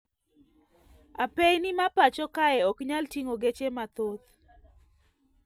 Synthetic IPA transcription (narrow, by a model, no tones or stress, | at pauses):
apejnɪmapat͡ʃɔkaɛɔkɲaltiŋoɡet͡ʃemat̪ot̪